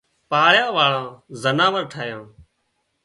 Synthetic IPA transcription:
paːɭjãːʋaːɭãːzənaːʋəɾʈʰaːjãː

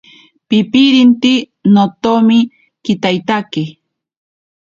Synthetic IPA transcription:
pɪpiɾint̪i | not̪omɪ | kɪt̪ajt̪akɪ

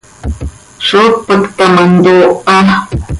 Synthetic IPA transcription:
ʃopəkt̪amand̪oa

